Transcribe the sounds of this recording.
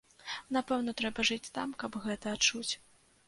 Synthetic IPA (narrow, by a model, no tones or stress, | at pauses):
napɛwnɐt̪ɾɛbɐʐɨt͡sʲt̪a̰mkɐbɣɛt̪ɐːt͡ʂut͡sʲ